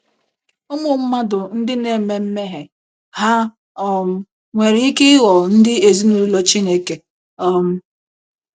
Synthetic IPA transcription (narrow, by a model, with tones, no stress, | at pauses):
ʊ˦mʊ˦m̩˦ma˦dʊ˨n̩˦dɪ˦ne˨me˦m̩˦me˦ɦe˨ | ha˦ | ɔ˦m̩˦ | ŋʷe˨ɾɪ˨i˦kɪ˦ɣɔ˨n̩˦dɪ˦e˨zi˦no˦lɔ˦t͡ʃi˦ne˦ke˨ | ɔ˦m̩˦